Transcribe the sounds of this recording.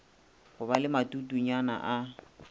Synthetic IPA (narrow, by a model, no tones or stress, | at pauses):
ɣʊbalɪmatʼutʼuɲana̰ʔa